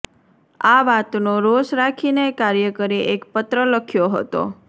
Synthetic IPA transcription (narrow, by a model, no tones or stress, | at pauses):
aʋat̪noɾoʃɾakʰinekaɾjəkəɾiʔekpət̪ɾələkʰjoɦə̰t̪o̰